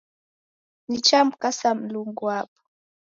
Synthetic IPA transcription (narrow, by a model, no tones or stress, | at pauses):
nit͡ʃamkasam̩luŋɡwapu̥